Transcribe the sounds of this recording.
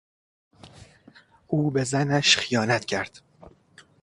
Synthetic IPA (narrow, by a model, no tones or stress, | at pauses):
uːbe̞zænæʃxijɒːnæt̪ʰcʰæɾd̪̥